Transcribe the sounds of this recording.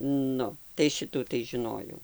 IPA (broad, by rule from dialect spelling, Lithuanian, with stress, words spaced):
ˈnʊ tɐɪ ˈʃʲɪtuː tɐɪ ʒʲɪˈnoːjɛʊ